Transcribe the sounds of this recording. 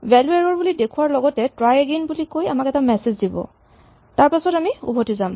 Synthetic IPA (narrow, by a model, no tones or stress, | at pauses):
bɛlueɹɔɹbulidekʰuwaɹlɔɡɔtɛtɹajeɡenbulikoja̰makɛtamɛsezdibɔ̰ | taɹpasɔtamiṵbʱotizam